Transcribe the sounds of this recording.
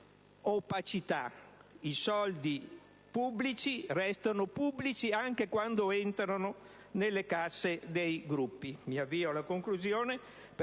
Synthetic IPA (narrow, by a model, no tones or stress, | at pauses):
opat͡ʃit̪aisɔld̪i | pubːlit͡ʃirɛst̪anopubːlit͡ʃiaŋkekwand̪oent̪ɾano | nelːekasːed̪ejɡɾupːimiavːiːolakoŋkluzjoːne | p